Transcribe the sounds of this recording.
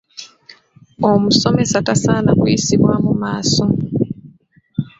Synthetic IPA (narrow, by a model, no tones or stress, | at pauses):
omuso̞me̞satasaːnakujisiβwaːmumaːso̞